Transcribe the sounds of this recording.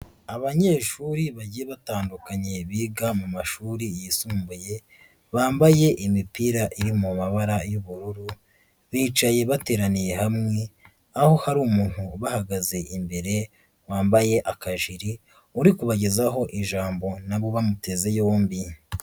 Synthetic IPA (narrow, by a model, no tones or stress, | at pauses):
aβaɲe̞ːʃuɾiβaɟijeβataːndukaɲe̞βiːɡamumaʃuːɾijisuːmbuje̞ | βaːmbaje̞ʔimipiɾaʔiɾimumaβaɾajuβuɾuɾu | βiːt͡ʃaje̞βate̞ːɾanije̞hamŋe̞ | aho̞haɾuːmuːn̥huβahaɡaze̞ʔimbe̞ɾe̞ | waːmbaje̞ʔakaʒiɾi | uɾikuβaɟe̞zaɦo̞ʔiʒaːmbo̞naβo̞βamute̞ze̞joːmbi